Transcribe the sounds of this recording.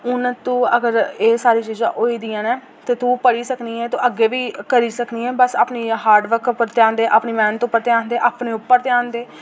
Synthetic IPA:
ʊnt̪ũːəɡəɾeːsaːɾiːt͡ʃiːzã̰ːʔoːiːd̪ijãːneː | t̪eːt̪ũːpəɽiːsəkniːɛːt̪oːʔəɡːeːʋiːkəɾiːsəkniːɛːbəsaːpniːɦaːɾɖʋəɾkpəɾt̪jãːnd̪eːʔaːpniːmɛ̃ːnt̪õːpːəɾt̪ejãːnd̪eːʔaːpɳeːʊpːəɾt̪ejaːnd̪eː

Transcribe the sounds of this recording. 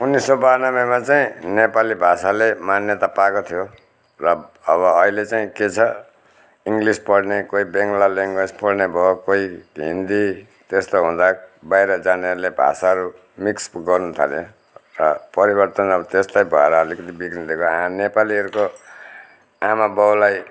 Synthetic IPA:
unːisːʌbanʌbemat͡saĩnepalibʱasalemanjʌt̪apakot̪ʰijo | rʌːβʌːɦilet͡saĩket͡sʰʌ | iŋɡlispʌɽnekoibeŋɡlaleŋɡispʌɽnebʱʌkoiɦḭnd̪i | t̪est̪oɦũd̪abajɾʌd͡zaneɦʌɾulebʱa̰saʌɾu | miksɡʌrnut̪ʰa̰le | rʌpʌɾibʌrt̪ʌnʌbʌt̪eslajbʱʌeɾʌʌlikʌt̪ʰibiɡnid̪ʱekoɦãnepaliɦʌɾuko | amabʌwlaj

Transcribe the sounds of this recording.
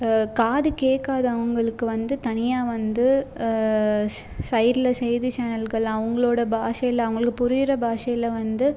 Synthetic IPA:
kaːðɯkeːkːaːðɐːʋɐŋɡɐɭɯkːɯʋɐnd̪ɯt̪ɐnɪjaːʋɐnd̪ɯ | sɐɪɾlɐsɛjðɯt͡ʃaːnɐlɡɐɭãːɐʋɐŋɡɐɭoːɽɐbaːʂɐjɪlɐɐʋɐŋɡɐɭɯkːɯpʊɾɪjɪɾɐbʱaːʂɐjɪlɐʋɐnd̪ɯ

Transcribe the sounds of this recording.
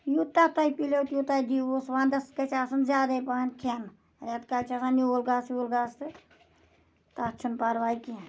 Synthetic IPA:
jut̪at̪ɐipilewt̪jut̪aid̪iosʋaːnd̪ɐskɐt͡ʃaːsɐnzʲaːd̪ɐjpaɦɐnkʰen | ɾʲat̪kalʲt͡ʃʰasanioːlɡaːsjuːlɡaːst̪ɨ | t̪at͡ʃʰunpaɾʋaːjiki

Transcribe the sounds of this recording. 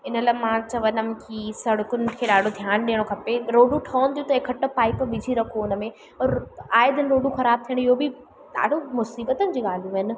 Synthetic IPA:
ɪnəlaːmãt͡ɕɐʋənəmkisɐɽʊkʊn̆kʰeːɗaːɖʱod̪ʱjaːnɗiːəɽ̃okʰɐpeɾoːɖũʈʰɔːnt̪ʰijũt̪ɐekʰɐʈəpaːipʋɪd͡ʑʱiɾɐkʰoɪnəmẽ | ɔːɾaːɪd̪ənɪɾoːɖuxɐɾaːb̚t̪ʰijəɽ̃ɪɦobi | ɗa̰ːɖʱomʊsiːbət̪ənɪ̆d͡ʑiːɠaːl̤uɦɪnɪ̆

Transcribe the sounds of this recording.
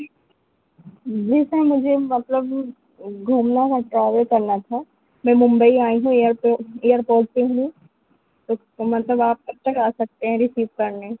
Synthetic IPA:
d͡ʒɛːsamʊd͡ʒʱemɐt̪ləb | ɡʱuːmnakaʈɾaːʋəkɐɾnat̪ʰa | mɛ̃mʊ̃mbəiaːiɦũejəɾpeeːjəɾpoːɾt̪eɦũ | t̪o | mɐt̪ləbaːp̚kɐtːəkaːsɐk̚t̪eɦɛ̃ɾɪsiːʋkɐɾne

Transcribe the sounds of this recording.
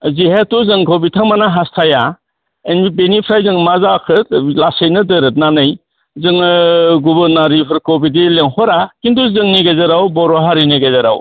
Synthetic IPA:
zihetuzɯŋkʰobitʰaŋmanaɦastʰaja | enbibenipʰɾajzɯŋmazakʰɯt̚lasejnɯdɯɾɯt̚nanɯj | zɯŋɡubɯɾnaɾipʰɯɾkobidileŋhɔɾakinduzɯŋniɡezaɾawbɔɾoɦaɾiniɡezaɾa̰w

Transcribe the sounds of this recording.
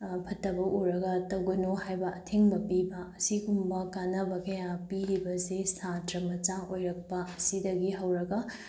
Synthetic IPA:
pʰɐtːɐbɐʔuɾɐɡɐtɐwɡɐnohajbɐʔɐtʰeŋbɐpibɐɐsiɡumbɐkanɐbɐkɐjãpiɾibɐsesatɾɐmɐt͡ʃaojɾɐk̚pɐɐsidɐɡiɦɐwɾɐɡɐ

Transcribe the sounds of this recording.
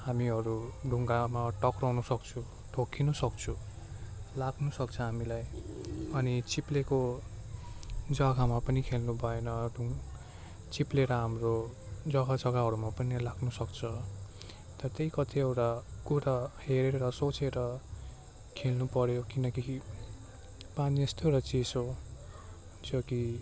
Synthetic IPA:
hamiɦʌɾuɖʱuŋɡamaʈʌkrʌwnʌsʌkt͡sʰu | ʈʰokʰinʌsʌk̚t͡sʰu | laɡnusʌkt͡sʰʌɦamilajʌnit͡sipleko | d͡zʌɡamapʌnikʰelnubʱʌenʌɖʱuŋ | t͡sipleɾʌɦamro | d͡zʌɡad͡zʌɡaɦʌɾumapʌnilaɡnusʌk̚t͡sʰʌ | t̪ʌʌt̪ejkʌt̪ʰiʌwʈakuɾaheɾeɾʌɾʌsot͡seɾʌ | kʰelnupʌɾjokinʌki | paniest̪ewʈʌt͡siso | t͡sʰʌki

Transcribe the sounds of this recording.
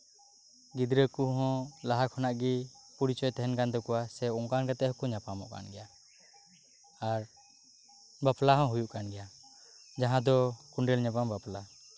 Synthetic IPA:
ɡid̪ɾəkuɦɔ̃laɦakʰɔnaʔɡipuɽit͡ʃɔjt̪ɛɦɛnkand̪ɔkɔwasɛɔŋkankat̪ɛʔhɔkɔɲapamɔ̰ʔka̰nɡɛja | aɾ | baplaɦɔ̃ɦujuʔkanɡɛja | d͡ʒaɦãd̪ɔkuɳɖɛlɲapambapla

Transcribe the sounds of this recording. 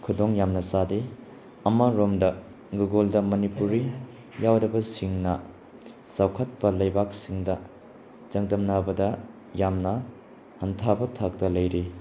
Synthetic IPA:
kʰudoŋjamnɐsade | ɐmɐɾomdɐ | ɡuɡoldɐmɐnipuɾi | jawdɐbɐsiŋnɐ | sawkʰɐt̚pɐlɐjbak̚siŋdɐ | d͡ʒɐŋdɐmnabɐdɐ | jamnɐ | hɐntʰabɐtʰak̚tɐlɐjɾi

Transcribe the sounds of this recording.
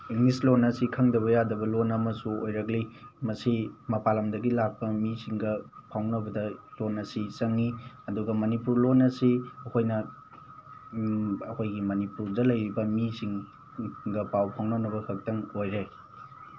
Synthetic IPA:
iŋlislonɐsikʰɐŋdɐβɐjadɐbɐlonɐmɐsuojɾɐklimɐsimɐpalɐmdɐɡilak̚pɐmisiŋɡɐpʰawnɐbɐdɐlonːɐsisɐŋniɐduɡɐmɐnipuɾlonɐsiɐkʰojnɐ | ɐkʰojɡimɐnipuɾdɐlɐjɾibɐmisiŋ | ɡɐpawpʰawnanɐbɐkʰɐk̚tɐŋojɾe

